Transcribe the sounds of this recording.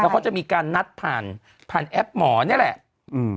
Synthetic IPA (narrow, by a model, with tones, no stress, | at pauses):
ɛ˦kka˦˥wt͡ɕa˨ʔmiː˧kaː˧nːa˦˥t̪̚pʰaː˨˩n | pʰaː˨˩nʔɛ˦˥p̚mɔː˩˦ni˥˩ɐlɛ˨˩ʔ | ʔɯː˧